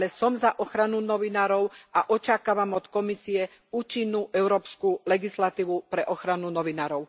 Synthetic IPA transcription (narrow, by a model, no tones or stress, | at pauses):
lɛsɔmzaʔɔxɾanunɔʋinaːɾɔʊaʔɔt͡ʃakaːʋamɔt̪kɔmisiɛ | uːt͡ʃinːuʔɛʊɾɔːpskulɛɡislat̪iːʋupɾɛʔɔxɾanunɔʋinaːɾɔʊ